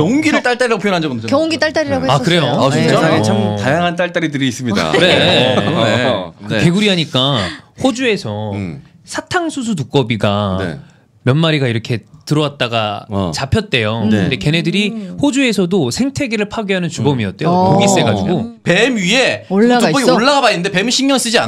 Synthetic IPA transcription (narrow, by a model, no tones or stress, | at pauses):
kjʌŋɡiɾɯɭt͈aɭt͈aɾiɾaɡopʰjnɦand͡ʑaonkjʌŋɡit͈aɭt͈aɾiɾaɡoeakɯɾejoaet͡ɕʰamtajaŋɦant͈aɭt͈aɾidɯɾiːs͈ɯmɲid̰a̰ɾe | kɯke̞ɡuɾiɦaɲik͈aɸod͡ʑue̞sʰʌ | sʰatʰaŋsʰus̬ʰutuk͈ʌbiɡae | mjʌnmaɾiɡaiɾʌkʰe̞tɯɾʌwat̚t͈aɡat͡ɕapʰjʌt̚t͈e̞joɯɯde̞ke̞ne̞dɯɾiɸod͡ʑue̞sʰʌdosʰe̞ŋtʰe̞ɡiɾɯɭpʰaɡiɦanɯnt͡ɕubʌmiʌ̰t͈̚ejopoɡis͈e̞ɡad͡ʑiɡope̞mɥieoaʌɡioɭːaɡabainːɯnde̞pe̞mɯɕʰiŋjʌns͈ɯd͡ʑia